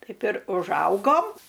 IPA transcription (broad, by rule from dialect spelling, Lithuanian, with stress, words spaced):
ˈtɐɪp ɪr ʊʒˈɐʊɡoːm